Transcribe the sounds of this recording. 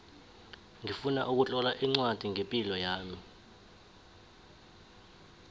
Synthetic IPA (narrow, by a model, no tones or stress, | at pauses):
ŋifunaʔuk̬ut͡ɬʼɔlaʔiŋ͡ǀwad̥ʱiŋempʼilɔjaːmi